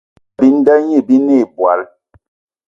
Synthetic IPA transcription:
bi˦n˦dɛ˦ɲi˦˨bi˦ne˦˨bwa˨˦l

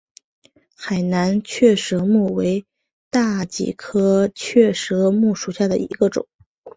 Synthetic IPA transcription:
xa˨˩ɪna˧˥nt͡ɕʰɥɛ˥˩ʂɤ˧˥mu˥˩we˧˥ɪ | t̪a˥˩t͡ɕḭ˨˩kʰɤ˥t͡ɕʰɥɛ˥˩ʂɤ˧˥mu˥˩ʂu˨˩ɕja˥˩d̪ə̰˩ḭ˧˥ɡə˧ʈ͡ʂʊ̰˨˩˦

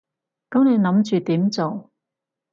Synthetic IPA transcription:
kɐ˨˥mne˨˧jnɐ˨˥mt͡ʃyː˨t̪iː˨˥mt͡so˨w

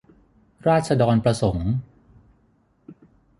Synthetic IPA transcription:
ɾaː˥˩t̪̚t͡ɕʰa˧dɔː˧npɾa˧so˩˦ŋ

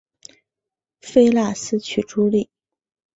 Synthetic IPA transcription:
fe˥ɪla˥˩sɹ̩˥t͡ɕʰy˨˩ʈ͡ʂu˥li˥˩

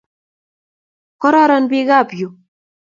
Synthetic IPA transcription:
kɔ˦ɾɔ˦ɾɔ˦nbi˦ɣa˦˨pju˨

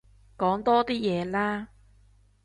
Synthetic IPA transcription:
kɔː˨˥ŋt̪ɔː˥t̪iː˥jɛː˨˧laː˥

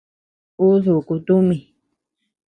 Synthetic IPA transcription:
u˦ðu˨ku˧t̪u˦mĩ˨

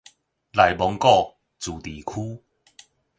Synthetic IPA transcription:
la˨˩jbɔ˨˧˦ŋkɔ˥˧ | t͡suː˨˩t̪iː˨˩kʰuː˦

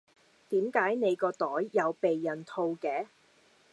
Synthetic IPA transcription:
t̪iː˨˥mkaː˨˥jne˨˧jkɔː˧t̪ɔː˨˥jːɐ˨˧wpe˨jːɐ˨˩nt̪ʰo˧wkɛː˨˧˥

